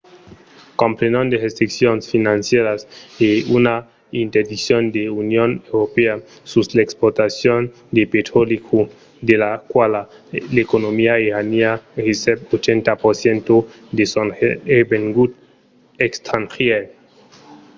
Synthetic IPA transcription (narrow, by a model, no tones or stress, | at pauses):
kompɾenond̪eʁest̪ɾiksjonsfinansjeɾaseuna | int̪eɾd̪isjond̪eunjonewɾopea | suslaekspoɾt̪asjon | d̪epet̪ɾolikʰu | d̪elakwalalekonomiaeɾaniahisepot͡ʃent̪apoɾsjent̪o | d̪esonebeŋɡut̪ | ekst̪ʰanxje